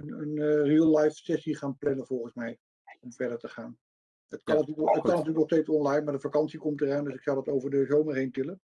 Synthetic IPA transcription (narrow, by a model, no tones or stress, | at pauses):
ənənrilˠlɑjfsɛsiχaːnplɛnəv̥ɔlˠχənsmɛj | ɔmvɛɹdəɹtəχaːn | ətkɑnːatyət̚kɑnɐtyːləkɔstejsɔnlɑjnmaɹdəfakɑnsikɔmtərœjndɵsɪksɑwdɑtowvəɹdəzowməɹɦejntɪlən